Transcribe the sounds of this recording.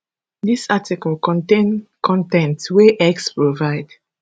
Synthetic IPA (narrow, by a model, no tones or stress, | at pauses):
disatikəlkɔ̃ntẽnkʰɔ̃ntɛ̃ntweʔɛkspɹovaɪd̥